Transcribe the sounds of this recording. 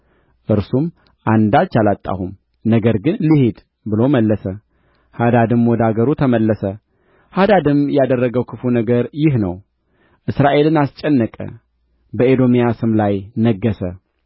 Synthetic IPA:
ʔɨɾsum | ʔand̪alt͡ʃːalat̪ʼːa̰hum | nəɡəɾɡɨnlihed̪ | bɨlo̞məlːəsə | had̪ad̪ɨmwɔd̪aɡəɾut̪ʰəməlːəsə | had̪ad̪ɨmjɛad̪ərːəɡəwkʰɨfunəɡəɾjɪɦnəw | ʔɨsɾaʔe̞lɨnast͡ʃʼːɛnːəkʼə̰ | bəed̪o̞mijasɨmlajnəɡːəsə

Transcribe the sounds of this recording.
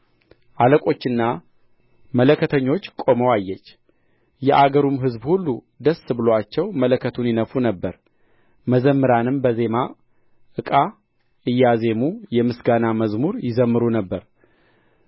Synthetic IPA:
ʔaləkʼo̞t͡ʃːɨnːa | mələkːət̪ʰəɲːo̞t͡ʃːkʼo̞məwajːɛt͡ʃː | jɛʔaɡəɾumɦɨzbhulːu | d̪əsːɨbɨloat͡ʃːɛwmələkʰːət̪ʰunjɪnəfunəbːəɾ | məzəmːɨɾanɨmbəze̞ma | ʔɨkʼa | ʔɨjːaze̞mujɛmɨsɡanaməzmuɾjɪzəmːɨɾunəbːəɾ

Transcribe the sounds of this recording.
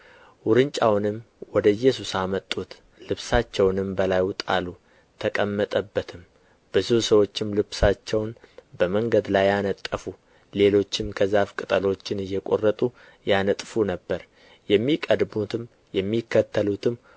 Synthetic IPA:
wʊɾɨnt͡ʃʼawnɨm | wɔd̪əɨjːɛsusamət̪ʼːut̪ | lɨβsat͡ʃːɛwnɨmbəlajt̪ʼa̰lu | t̪ʰəkʼəmːət̪ʼəbːət̪ʰɨm | bɨzusəwo̞t͡ʃːɪmlɨβsat͡ʃːɛwnbəməŋɡəd̪lajanət̪ʼːəfu | le̞lo̞t͡ʃːɪmkʰəzafkʼɨt̪ʼəlo̞t͡ʃːɪnɨjːɛkʼo̞rːət̪ʼu | janət̪ʼfunəbːəɾ | jɛmːikʼəd̪but̪ɨm | jɛmːikːət̪ʰːəlut̪ʰɨm

